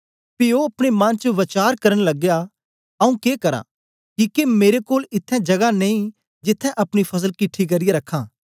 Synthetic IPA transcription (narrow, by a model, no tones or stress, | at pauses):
pɪoɐpɽ̃emɐnt͡ʃəʋɐt͡ʃaːɾkɐɾənlɐɡja | ɐũkeːkɐɾa̰ | kikemeːɾekoːlɪt̪ʰːɛ̃d͡ʒɐɡanẽːĩ | d͡ʒɪt̪ʰːɛ̃ʔɐpɽ̃ipʰɐs̬əlkɪʈʰːik̬ɐɾijeɾɐkʰːãː